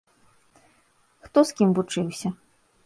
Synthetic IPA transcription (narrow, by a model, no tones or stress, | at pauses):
xt̪ɔskʲimvut͡ʂɨwsʲɐ